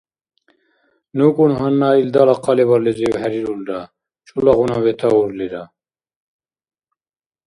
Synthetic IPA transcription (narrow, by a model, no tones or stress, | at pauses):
nukʼunɦanːaːild̪alaqʰɑlɛβaɾlɛzɛɦæɾiɾuld̪a | t͡ʃʼulaɣunavɛt̪ʰauɾlid̪a